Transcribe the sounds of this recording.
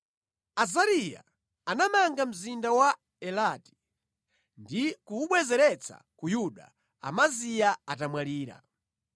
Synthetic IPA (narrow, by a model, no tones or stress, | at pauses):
azaɾija̰ | anamaŋɡam̩zindawa | ɛlati̥ | ndikuuɓwɛzɛɾɛt͡sʰa̰kujuɗa̰ | a̰mazijaatamwaliːɾa̰